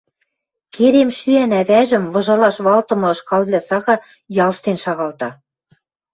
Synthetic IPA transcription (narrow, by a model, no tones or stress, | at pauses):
kʰeɾemʃyænæβæʒɘ̆mβɤ̆ʒɤ̆lɑʃβɑlt̪ɤ̆mɤ̆ɤ̆ʃkɑlβlʲæsɑɣɑ | jɑlʃt̪enʃɑɣɑlt̪ɑ